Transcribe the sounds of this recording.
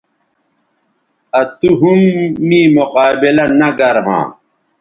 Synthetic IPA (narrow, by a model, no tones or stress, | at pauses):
ɐt̪uɦumːĩːmuqaːbilɐnɐɡɐɾɦã̰ː